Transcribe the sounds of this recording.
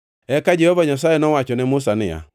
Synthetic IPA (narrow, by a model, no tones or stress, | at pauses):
ɛkad͡ʒɛhɔvaɲas̬ajɛnɔwat͡ʃɔnɛmʊsanɪja̰